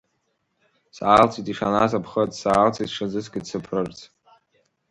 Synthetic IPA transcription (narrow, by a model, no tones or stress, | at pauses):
saːlt͡sʰitʼiʂanazapʰχətʼsaːlt͡sʰʼitʂazɨsɡʲɪdsɨpʰrɨrt͡sʰʼ